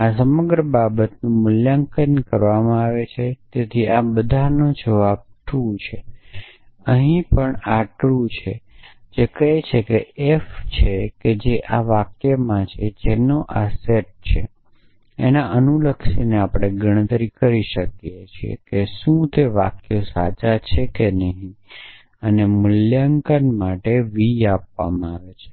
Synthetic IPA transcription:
asəməɡɾəbabət̪nũmʊljaŋkənkəɾʋamãaʋet͡ʃʰet̪et̪ʰiabəd̪ʱanod͡ʒəʋab̚ʈʰut͡ʃʰe | əɦĩpəɳaʈɭut͡ʃʰe | d͡ʒekəɦet͡ʃʰekeeft͡ʃʰeked͡ʒeʔaʋakjəmãt͡ʃʰed͡ʒenoʔaseʈ̚t͡ʃʰḛ | ḛnaʔənuləkʃineapɽ̃eɡəɽ̃ət̪ɾikəɾiʃəkjet͡ʃʰiḛkeʃũt̪eʋa̰kjosa̰t͡ʃat͡ʃʰekenəɦĩ | ənemʊljaŋkənmaʈeʋiapʋa̰mãaʋet͡ʃʰe̥

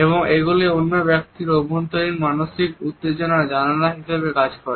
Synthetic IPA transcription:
eboŋeɡuleonːobɛk̚t̪iɾobʱont̪oɾiŋmanoʃikut̪ːed͡ʑonad͡ʑananaɦiʃebekad͡ʑkɔɾe

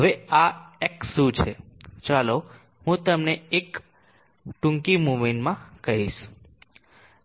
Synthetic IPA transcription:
ɦəʋeaeksũt͡ʃʰet͡ʃalo | ɦũt̪əmneek | ʈũŋkimuminmãkəɦiʃ

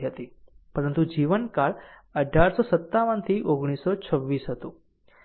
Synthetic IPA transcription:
ɦət̪ipəɾənt̪ud͡ʒiʋənkaɭ | əɖʱaɾsosət̪ːaʋənt̪ʰiʔoɡɽ̃isot͡ʃʰəʋːisɦət̪ũ

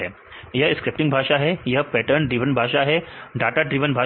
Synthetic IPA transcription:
ɛ | jɐɦskɾɪp̚ʈiŋɡbʱaːʃaɦɛjɐɦpɛːʈəɾɳɖɾiʋənbʱaːʃaɦɛɖaːʈaɖɾiːʋənbʱa

